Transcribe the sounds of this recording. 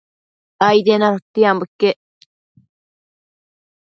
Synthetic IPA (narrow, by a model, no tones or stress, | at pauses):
ajt̪enaɾot̪ːiambukːe